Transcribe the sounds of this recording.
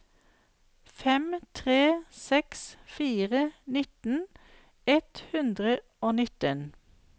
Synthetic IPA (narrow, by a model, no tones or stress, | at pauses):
fɛmt̪ʰʁeːsɛksfiːʁənɪt̪n̩ | ɛt̪hʉnd̪ʁə | oːnɪt̪ən